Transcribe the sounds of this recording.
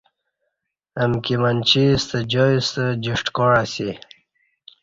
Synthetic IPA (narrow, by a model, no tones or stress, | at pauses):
əmkimənt͡ɕist̪əd͡ʑoist̪əd͡ʑiʂʈkɔɽasi